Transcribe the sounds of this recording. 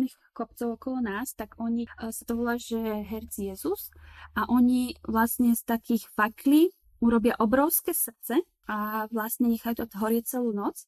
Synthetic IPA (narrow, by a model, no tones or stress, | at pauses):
niːx | kɔpt͡sɔʊɔkɔlɔnaːst̪aɡɔɲisat̪ɔʋɔlaʒɛɦɛɾt͡sjɛzusʔaʔɔɲiʋlasɲɛst̪akiːɣfakliː | uɾɔbɪaʔɔbɾɔʊskɛsr̩t̪t͡sɛ | aʋlasɲɛɲɛxajut̪ɔt̪ɦɔɾɪɛt͡sɛluːnɔt͡s